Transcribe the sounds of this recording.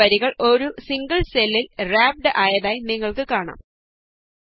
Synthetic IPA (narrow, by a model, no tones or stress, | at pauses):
ɐɾiɣɐɭo̞ɾusiŋɡɐɭselːilraːp̚ɖɨʔaːjɐðaːjiniŋːɐɭkɨkaːɳa̰ːm